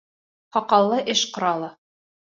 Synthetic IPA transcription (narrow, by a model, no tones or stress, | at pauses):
χɑqɑlˠːɤʔɘʃqŏɾɑlˠɤ